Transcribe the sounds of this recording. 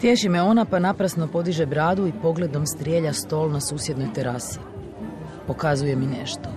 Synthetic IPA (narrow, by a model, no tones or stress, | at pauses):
t̪je̞ʃimeo̞napanapɾasno̞po̞d̪iʒe̞bɾaːd̪uipo̞ɡle̞d̪o̞mst̪ɾʲjeːʎast̪o̞ːlnasuːsje̞d̪no̞jt̪eɾase̥ | po̞kazuje̞mineʃt̪o